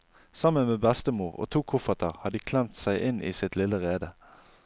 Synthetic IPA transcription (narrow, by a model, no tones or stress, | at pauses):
sɑmənmeːbæst̪əmuːʁo̰ːt̪ʰuːkʰʊfɑt̪ʰəʁhɑd̪iːkʰlɛmt̪sæɪʔɪnʔiːsɪt̪lɪləʁeːd̪ə